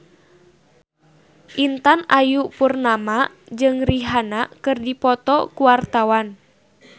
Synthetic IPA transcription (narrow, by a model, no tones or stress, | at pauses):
ʔint̪anajupurnama | d͡ʒɨŋriɦanakɨrdipɔt̪ɔkuwart̪awan